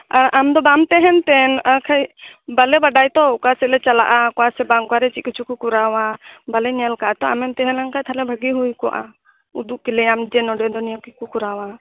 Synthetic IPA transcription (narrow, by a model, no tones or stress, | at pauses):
aɾamd̪ɔbamt̪ɛɦɛnt̪ɛnakʰajbalɛbaɖajt̪ɔkasɛlɛt͡ʃala̰ʔakɔasɛbaŋkaɾɛt͡ʃikit͡ʃʰukukuɾawabalɛɲalkaʔat̪ɔa̰mɛnt̪ɛɦɛnlaŋkajt̪ʰalɛbʱəɡiɦujkɔʔa̰ | ud̪uʔpilɛamd͡ʒɛnɔɖɛd̪ɔnijɔkikukuɾawa